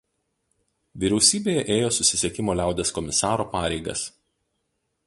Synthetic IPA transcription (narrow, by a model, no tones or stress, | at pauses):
ʋʲɪɾʲɛʊsʲiːbʲeːjɛʔeːjoːsʊsʲɪsʲeɛkʲɪmoːlʲæˑʊd̪ʲɛskɔmʲɪsɑːɾoːpɑːɾʲɛɪɡɐ̰s